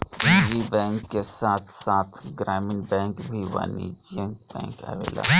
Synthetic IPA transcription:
iːd͡ʒiːbɛ̃ːŋkːesaːt̪ʰsaːt̪ʰɡɾaːmɪnbɛ̃ːkbʱiʋa̰ːnḭd͡ʒiə̃ŋk̚bɛ̰̃ːŋka̰ʋḛːla̰ː

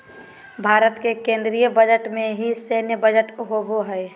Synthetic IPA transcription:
bʱaːɾət̪kekẽːnd̪ɾijəbəd͡ʒəʈmẽɦiseːnjəbəd͡ʒəʈɦoboɦɛː

